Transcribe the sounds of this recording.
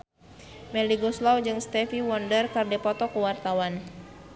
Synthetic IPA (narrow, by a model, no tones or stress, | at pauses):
mɛliɡɔslawd͡ʒɨŋst̪ɛfiwɔndərkɨrdɛpɔt̪ɔkuwart̪awan